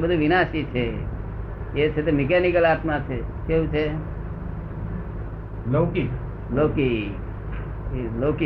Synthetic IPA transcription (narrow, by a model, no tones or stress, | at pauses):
bəd̪ʱuʋinasit͡ʃʰe | et͡ʃʰet̪omekɛnikəlat̪mat͡ʃʰekeɦũt͡ʃʰe | loki | loki | loːki